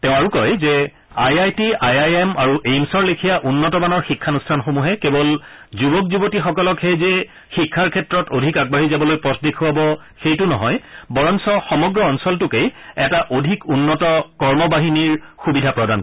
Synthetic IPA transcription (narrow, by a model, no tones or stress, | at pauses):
tɛʊ̃aɹukɔjzɛ | ajajtiajajɛmaɹuʔejmsɔɹlekʰijaʔunːɔtɔbanɔɹxikʰːanustʰanxomuɦɛkebɔl | zubɔk̚zubotixɔkɔlɔkxejze | xikʰːaɹkʰɛtɹɔtodʱikaɡ̚baɦizabɔlojpɔtʰdekʰuabɔ | xejtʊnɔɦɔjbɔɹɔnsɔxɔmɔɡɹɔːnsɔltʊkejɛtaʔodʱikunːɔtɔkɔɹmɔbaɦiniɹxubidʱapɹɔdan